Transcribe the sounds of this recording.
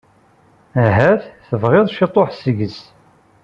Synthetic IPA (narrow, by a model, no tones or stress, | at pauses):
æɦæθθəvʁɪðˤʃit̪ˤːoħsəʝəs